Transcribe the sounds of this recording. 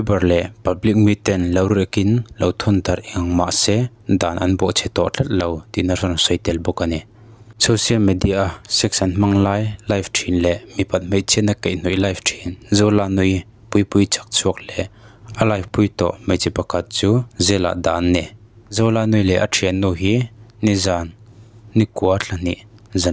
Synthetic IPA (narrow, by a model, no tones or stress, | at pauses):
ibɐrlɛʔpɐblik̚mit̪ɛnlɐwɾujəkɪnlɐwt̪ʰɔnd̪ɐɾʔiŋma̰ʔsɛ | d̪aːnʔɐnbɔʔt͡sʰɛt̪ɔʔt͡ɬʰat̪̚lowt̪inərarnsɔjt̪ɛlbɔkani | sɔsialmɛd̪iasɛk̚sɐnm̥aŋlaːjlajftʰinlɛʔmipɐt̪̚m̥eʔ̚t͡sʰinakejn̥ujlajftʰinzowlanʊj | pujpujt͡sḁk̚t͡sʰuək̚lɛʔʔalajfpujt̪ɔ̰ʔmejt͡sipakʰat̪̚t͡suːzɛla̰ʔd̪aːnːɛzowlanujlɛʔatʰinːuɦinizanːikuəɬʰan̥iʔza